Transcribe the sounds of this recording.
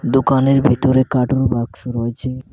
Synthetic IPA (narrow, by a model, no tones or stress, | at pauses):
d̪okaneɾbʱit̪oɾekaʈoɾobaɡʃoɾɔet͡ɕʰe